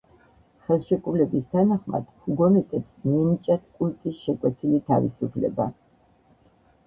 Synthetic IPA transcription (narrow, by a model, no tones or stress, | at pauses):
χɛlˠʃɛkʼulɛbist̪ʰanaχma̰d̪̥huɡɔnɛt̪ʼɛpsmiɛnit͡ʃʼat̪ʰkʼult̪ʼisʃɛkʼwɛt̪sʰilit̪ʰa̰vḭsupʰlɛ̰ba̰